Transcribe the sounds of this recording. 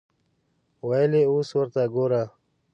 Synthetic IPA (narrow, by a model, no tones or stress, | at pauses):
waleuːswəɾt̪aɡoːɾa